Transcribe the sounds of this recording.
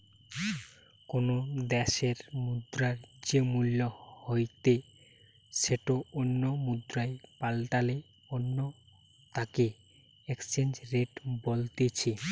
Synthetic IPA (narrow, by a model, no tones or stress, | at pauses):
konod̪ɛʃeɾmud̪ɾaɾd͡ʑemulːohojt̪e | ʃeʈoonːomud̪ɾaepalʈale | onːo | t̪ake | ekst͡ɕend͡ʑɾeʈbolt̪et͡ɕʰe